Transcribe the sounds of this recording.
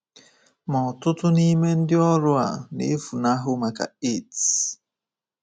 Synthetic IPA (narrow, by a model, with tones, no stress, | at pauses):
mɔ˨tu˦tu˦ni˦me˦n̩˦di˦ɔ˦ɾwa̰˨nḭ˦fu˨na˦ɦu˦ma˨ka̰˨i˦t